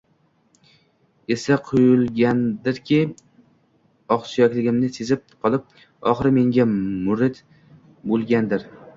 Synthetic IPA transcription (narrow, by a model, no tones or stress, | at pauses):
e̞saqʰojɪlˠɡʲand̪ɪɾkʲʰɪ | ɒqsijɒkʲlɪɡʲɪmnɪse̞zɪp̚qʰɒlˠɪp̚ | ɒχɨɾme̞ŋɡʲamʊɾɪd̪ | bolˠɡʲand̪ɪɾ